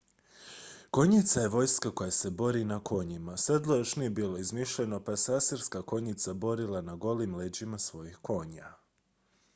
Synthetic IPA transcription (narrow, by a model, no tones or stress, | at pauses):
ko̞ɲit̪saje̞ʋo̞jskako̞jase̞bo̞ɾinako̞ɲimased̪lˠojoʃnijebiːlˠo̞izmiʃʎeno̞pasaseɾskako̞ɲit̪sabo̞ɾilˠanaɡo̞liːmled͡ʑimasʋo̞jixko̞ɲa